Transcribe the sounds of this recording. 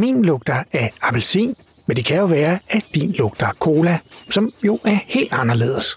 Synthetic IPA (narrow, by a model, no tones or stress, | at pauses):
mḭnlɔ̽ɡ̥̚d̥ɐæɐɑb̥ælsḭn | mend̥e̝kʰæjo̝ʋæːɐæd̥ḭnlɔ̽ɡ̥̚d̥ɐkʰo̝ːlæsɒ̽mjo̝ʔæɐhe̝̰ːld̥ɑ̈nɐle̝̰ːð̞̩ˠəs